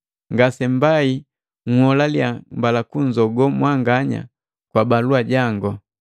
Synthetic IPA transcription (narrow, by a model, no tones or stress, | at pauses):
ŋɡasɛmbai | ŋ̩hɔlaljambalakuɲd͡ʒɔɡɔmwaŋɡaɲa̰ | kwabaluaɟaŋɡɔ